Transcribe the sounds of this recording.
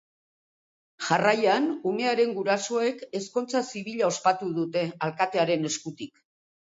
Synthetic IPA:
ʝarajanume̞aɾe̞ŋɡuɾaso̞e̞ke̞sko̞nt͡sasiβ̞iʎao̞spat̪uðut̪e̞alkat̪e̞aɾe̞ne̞skut̪ik

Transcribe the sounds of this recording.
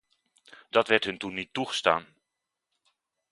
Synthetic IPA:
dɑtʋɛɹtɦɵntunːitːuχə̥sta̰ːn

